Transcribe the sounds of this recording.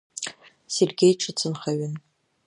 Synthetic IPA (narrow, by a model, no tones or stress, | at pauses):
serɡʲejʈ͡ʂʰɨt͡sʰɨnχaɥɪn